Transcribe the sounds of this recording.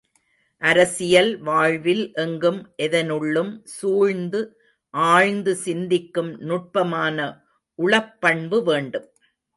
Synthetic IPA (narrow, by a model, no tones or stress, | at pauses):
ʔɐɾɐsɪjɐlʋaːɻʋɪlʔɛŋɡɯmʔɛðɐnɯɭːɯmsuːɻnd̪ɯ | ʔaːɻnd̪ɯsɪnd̪ɪkːɯmnʊʈ̚pɐmaːnɐ | ʔʊɭɐpːɐɳbɯʋeːɳɖɯm